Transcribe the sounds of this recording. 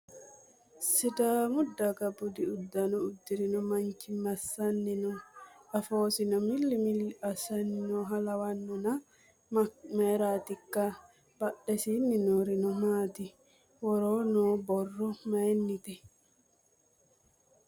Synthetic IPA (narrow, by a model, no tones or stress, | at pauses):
sitamudːaɡabudiudːanɔud̪ːiɾinɔmaɲkimasanːinɔafoːsinɔmilːimilːasaninɔɦalawanːuna | majɾaːt̪ikːa | b̥aɗːɛsininɔɾinɔmaːt̪i | wɔɾɔnɔbɔrːɔmajnːit̪ɛ